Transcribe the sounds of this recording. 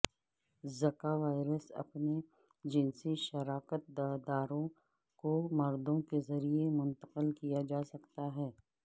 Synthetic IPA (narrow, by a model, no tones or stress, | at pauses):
zɐkaʋaːɪɾəsɐ̰pne | d͡ʒɪnsiʃɐɾaːkət̪̚d̪aːd̪aːɾõ | komɐɾd̪õkezɐɾiemʊ̃nt̪əqəlkijad͡ʒaːsɐkt̪aɦɛː